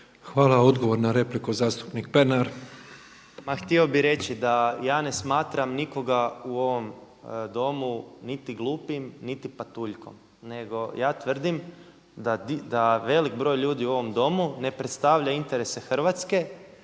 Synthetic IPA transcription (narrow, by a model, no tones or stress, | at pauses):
xʋaːlˠao̞d̪ɡoʋo̞ɾnaɾe̞plikuzaːst̪u̥pnik̚penaɾ | maxt̪io̞biɾe̞t͡ɕid̪ajaːne̞smaːt̪ɾamniko̞ɡauo̞ʋo̞m | d̪o̞munit̪iɡlˠuːpimnit̪ipat̪uːʎko̞̰m | ne̞ɡo̞jaːt̪ʋər̩d̪im | d̪ad̪id̪aʋe̞likbɾo̞ːjlʎuːd̪iuo̞ʋo̞md̪o̞mune̞pɾet̪st̪aʋʎaint̪e̞ɾese̞xr̩ʋat̪ske̞